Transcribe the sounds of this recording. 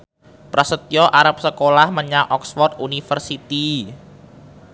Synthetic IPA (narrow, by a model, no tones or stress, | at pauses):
pɾasət̪ijɔʔaɾap̚səkolahməɲaʔɔksfɔrt̪unifərsit̪i